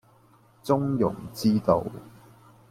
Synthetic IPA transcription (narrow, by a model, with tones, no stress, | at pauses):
t͡sʊ˥ŋjʊ̰˨˩ŋt͡siː˥t̪o̰˨˧w